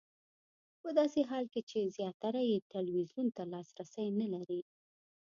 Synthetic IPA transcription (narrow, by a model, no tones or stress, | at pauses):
pəd̪ɑseɦɑlket͡ʃezjɑt̪ːaɾajet̪alwizjunt̪alɑsɾasəjnalaɾi